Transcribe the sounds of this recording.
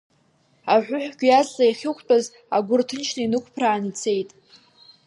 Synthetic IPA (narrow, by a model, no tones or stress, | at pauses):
aħʷᶣʊħʷᶣɡʲjazʼlaiχʲɪkʷʰʼt͡pʼaz | aɡʷʊrtʰɨnt͡ʃʰnainɨkʷʰʼpʰraːnit͡sʰe̞jtʼ